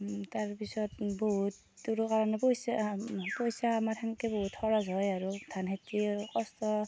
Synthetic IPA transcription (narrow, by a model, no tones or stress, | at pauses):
taɹpisɔt̚bɔɦutːuɹkaɹanɛpɔjsapɔjsaːmaɹtʰaŋkɛbɔɦutʰɔɹazɔjaɹudʰʱanɦetikɔstɔ